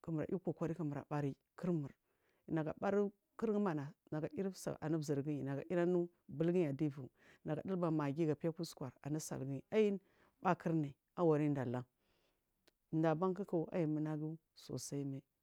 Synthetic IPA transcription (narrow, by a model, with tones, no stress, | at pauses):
kə˨mə˨ɾa̰˨ʔu˦ko˨kʷa˦ɾi˦kə˨mə˨ɾa̰˨ɓa˦ɾi˦ | kʰə˦ɾmu˨ɾ | na˨ɡa̰˨ba˦ɾi˦ | kə˦ɾɡə˦ma˨na˨na˨ɡa˨i˦ɾsa̰˨ʔa̰˨ni˦bzi˨ɾɡi˦i˨na˨ɡa˨i˦ɾa˦nu˦ | bə˦lɡi˦a˨di˦vu˨ | na˨ɡa̰˨di˦lba˨ma˨ɡi˦ɡa˨pi˦ja˦ku˦skʷa˨ɾa̰˨ni˦sa̰˨lɡa˦ji˦n | ba˦kʰə˦ɾni˨ | a˦wa˨ɾi˦n˦da˨la˦ŋ˨ | nda˨ba˦ŋki˦ka˨u˨˦a̰˦ji˨mə˨na˦ɡi˦ | so̰˨sa˦i˦me˦